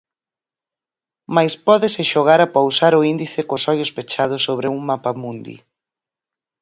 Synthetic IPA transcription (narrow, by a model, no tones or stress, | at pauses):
majspɔðɪsɪʃoɣ̞aɾapowsaɾʊind̪iθɪkosɔjʊspet͡ʃað̞ʊsːoβ̞ɾɪuŋmapamũnd̪ḭ